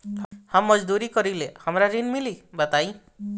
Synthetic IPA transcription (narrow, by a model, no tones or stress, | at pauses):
hamːɔd͡ʒd̪uɾikɔɾilehamɾaɾinmilibat̪aj̃